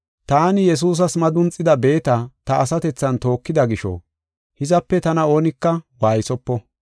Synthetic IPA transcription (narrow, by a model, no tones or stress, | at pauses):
t̪aːnɪjɛs̬uːs̬ɐsmɐd̪ʊnt͡sʼːɪd̪ɐbe̞ːt̪ɐt̪ɐːsɐt̪ɛt͡sːɐnt̪o̞ːkːɪd̪ɐɡɪʃɔ̰ | hɪzɐpːɛt̪ɐnɐo̞ːnɪkːɐwaːjsɔpːɔ